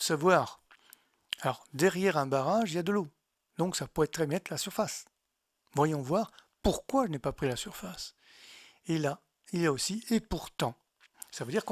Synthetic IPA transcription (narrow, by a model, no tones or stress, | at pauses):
savwaːʁ | alɔʁd̪ɛʁjɛʁɛ̃baʁaʒiljad̪əlo | d̪ɔ̃ksapøɛt̪χɛbnɛt̪lasyʁfas | vwajɔ̃vwaːʁ | puʁkwaʒənɛpapχilasyʁfas | ela | iljaosiepuʁt̪ɑ̃ | savød̪iʁk